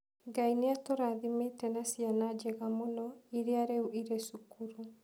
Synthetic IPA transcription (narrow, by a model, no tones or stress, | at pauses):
ŋɡaineatoɾaðimetɛnasianad͡ʒɛɣamonɔiɾeaɾɛuʔiɾesukuɾu